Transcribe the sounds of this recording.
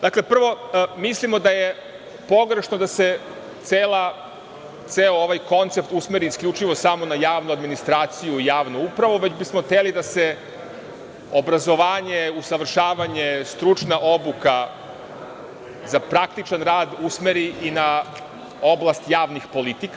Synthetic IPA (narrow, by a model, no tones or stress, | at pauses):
d̪aklepr̩ʋo̞mislimo̞d̪aje | po̞ɡɾe̞ʃnod̪ase̞ | t̪seːlˠa | t̪seooʋajko̞nt̪se̞pt̪usmeɾiːsklʎʲut͡ʃiʋo̞samo̞najaːʋnuad̪minist̪ɾaːt̪sijuijaːʋnuupɾaʋuʋe̞d͡ʑbismoxt̪elid̪ase | o̞bɾazo̞ʋaːɲeusaʋr̩ʃaːʋaɲe̞st̪ɾut͡ʃnaʔo̞buka | zapɾak̚t̪it͡ʃanɾaːd̪usmeɾiʔina | o̞blˠast̪jaːʋnixpo̞lit̪ik